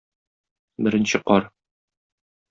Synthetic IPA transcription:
bɘ̆ɾɘ̆nɕɘqɒɾ

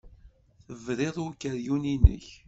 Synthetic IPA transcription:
θəvɾeðˤukːəɾjuninə̰ç

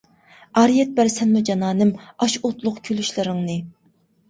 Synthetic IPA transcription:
ɑɾijɛt̪̚bæɾsɛnmud͡ʒɑnɑːnɪmɑʃot̪lˠʊqkʲʰølyʃlɪɾɪŋnɨ

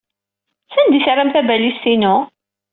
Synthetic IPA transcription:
sænd̪isɾˤːamθæbælisːinuʊ

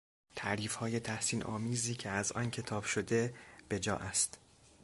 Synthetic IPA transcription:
t̪ʰæʔɾiːfhɒːje̞t̪ʰæhsiːnʔɒ̰ːmiːziːcʰeæzɒ̰ːncʰe̞t̪ʰɒːb̥ʃo̞d̪e̞b̥e̞d͡ʒɒ̰ːʔæst̪

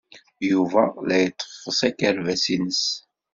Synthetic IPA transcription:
juvælæjət̪ˤːə̥ffəsækəɾvæsinəs

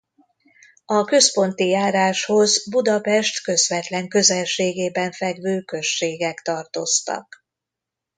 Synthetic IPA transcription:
ɒkø̞spo̞nt̪ijaːɾaːʃho̞zbud̪ɒpɛʃt̪kø̞zʋɛt̪lɛŋkø̞zɛlʃeːɡeːbɛɱfɛɡvøːkø̞ʃːeːɡɛkt̪ɒrt̪o̞st̪ɒ̰k

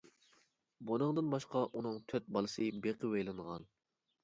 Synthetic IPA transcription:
bonɨŋd̪ɨnbɑʃqɑʔunɨŋt̪ʰøt̪̚bɑlˠɨsɨbeqʰəwejlˠɨɴʁɑ̰n

